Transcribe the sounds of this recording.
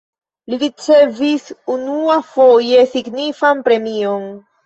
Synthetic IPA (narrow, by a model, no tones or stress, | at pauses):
liɾit͡se̞visunuafo̞je̞siɡnifanpɾe̞mio̞n